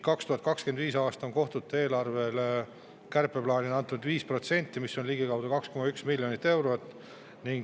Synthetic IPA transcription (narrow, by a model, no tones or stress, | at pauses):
kɑkst̪uhɑt̪̚kɑkske̞nd̪viːsɑːst̪ɑoŋko̞ht̪ut̪u̥ˑt̪e̞ːlɑrve̞l | kærpːˑe̞plɑːnʲiɑnt̪ːˑunud̪viːspro̞t̪se̞nʲt̪ˑːimisːo̞nliɡikɑwd̪̥ɑkɑksko̞mɑyksmilʲjo̞nit̪ːe̞wɾo̞t̪ːˑ | niŋɡ